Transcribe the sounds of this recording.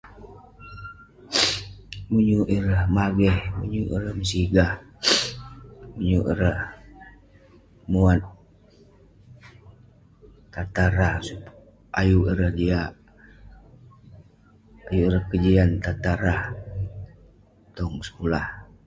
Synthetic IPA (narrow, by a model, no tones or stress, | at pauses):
muɲuʔiɾəhmaɡɛhmṵɲuʔḭɾəhməsiɡah | muɲuʔḭɾəh | muat̪̚ | t̪at̪aɾahsu | ʔajuʔiɾəhdia | ajuiɾəhkəd͡ʒiant̪at̪aɾah | t̪ɔŋsə̥kulah